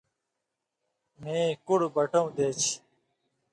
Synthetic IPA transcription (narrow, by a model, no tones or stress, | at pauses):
mẽːkuɽbɐʈõũd̪eːt͡ɕʰ